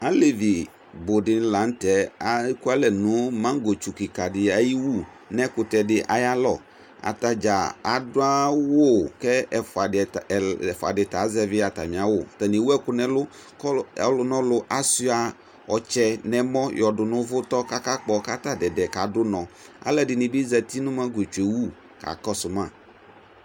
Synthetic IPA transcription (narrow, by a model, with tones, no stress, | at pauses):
a˨˦le˨vi˨ | bo˨dɪ˨n˦la˨˦n̩˦tɛ˨a˨˦ku˦a˦lɛ˨nʊ̃˨˦mã˦ŋ˦ɡo˨t͡ʃu˨ki˨ka˨dɪ˨a˨ji˦wu˦˨ | nɛ˦kʊ˨tɛ˨dɪ˦ʔa˨ja˦lɔ˨ | a̰˨ta˨d͡ʒa˨a˨dʊ˦a˦wo˦˨kɛ˦˨fa˨fa̰˨dɪ˨ta˨˦zɛ˦vɪ˦a˨ta˨mĩ˨a˨˦wʊ˦˨tɛ˨ne˨wu˦ɛ˦kʊ˦nɛ˦lʊ˦ | ɔ˦ɛ̰˦lʊ˨nɔ̃˦lʊ˨ʔa˦si˦a˨ | ɔ˨t͡ʃɛ˦nɛ̃˨mɔ̃˦jɔ˨dʊ˨nʊ̃˦vʊ˦t̪ɔ˦ka˦ka˦k͡pɔ˦ka˦t̪a˦dɛ˨dɛ˨ka˨dʊ˦nɔ̃˨a̰˦lɛ˦dɪ˨nɪ̃˨bi˦zɛ˨t̪i˦nʊ̃˦mã˦ɡo˨t͡ʃu˨e˨wu˦˨ | ka̰˨kɔ˦sʊ˨mã˦˨